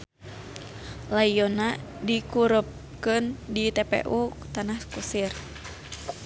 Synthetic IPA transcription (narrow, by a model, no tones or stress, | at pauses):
laionadikuɾəp̚ | kɨndit̪ɛpḛʔut̪anahkusir